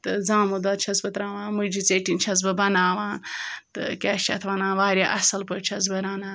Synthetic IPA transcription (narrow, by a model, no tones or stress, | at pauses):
t̪ɨzaːmod̪oːt͡ʃʰɐsbɐt̪ɾãːʋãːnmɨd͡ʒit͡seːʈint͡ʃʰɐz̬bɐbɐnaːʋaːnt̪ɨ̰kʲaːʃt͡ʃʰɐ̰t̪ʰʋaːnãːnʋaːɾʲjaʔɐsɐlpɐt͡ʃʰɐz̬bɐɾaːnaː